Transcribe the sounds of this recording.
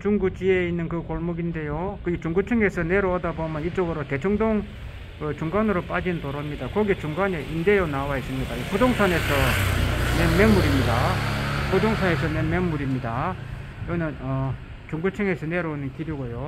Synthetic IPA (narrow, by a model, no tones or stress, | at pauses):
t͡ɕuŋɡut͡ɕieinːɯnkɯkoɭmuɡinde̞jokɯit͡ɕuŋɡut͡ɕʰɯŋe̞sʰʌne̞ɾoʌdabomjʌnit͡ɕ͈oɡɯɾote̞t͡ɕʰʌŋdoŋ | ɯt͡ɕuŋɡanɯɾop͈ad͡ʑinntoɾʌmɲidakʌɡit͡ɕuŋɡane̞ʔinde̞jʌnawais͈ɯmɲikaikudoŋsʰane̞sʰʌnenmenmːuɾimɲidakudoŋsʰane̞sʰʌnemeŋmuɾimɲida | jʌnɯnʌ | t͡ɕuŋɡut͡ɕʰɯŋesʰʌne̞ɾonɯnkiɾiɡojo